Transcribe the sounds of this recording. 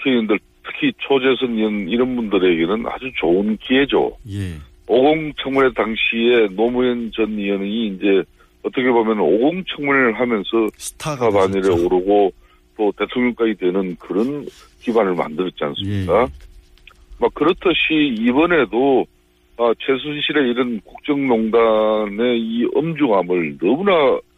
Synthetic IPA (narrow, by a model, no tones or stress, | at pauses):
kʰeiɯndɯɭ | tʰɯ̥kʰit͡ɕʰod͡ʑe̞sʰʌniʌniɾʌnbundɯɾe̞ɡe̞nɯna̰d͡ʑut͡ɕoɯnkied͡ʑo̰ | oɡoŋt͡ɕʰaŋmune̞taŋɕʰie̞nomuent͡ɕʌniʌnɲiːnd͡ʑe̞ | ʌt͈ʌkʰe̞bomjʌnoɡoŋt͡ɕʰʌŋmuɾeɾɯɭɦamjʌnsʰʌtʰabaɲiɾeoɾɯɡo | tote̞tʰoŋɲʌŋk͈aidwe̞nɯnkɯɾʌn | kibanɯɭma̰ndɯɾʌt̚t͡ɕ͈ia̰ns͈ɯmɲik͈a | mak̚kɯɾʌtʰɯɕʰiːbʌne̞do | at͡ɕʰe̞s̬ʰusʰiɕʰiɾe̞iɾɯnkuk̚t͡ɕ͈ʌŋnoŋdane̞iʌmd͡ʑuŋamɯɭnʌmuna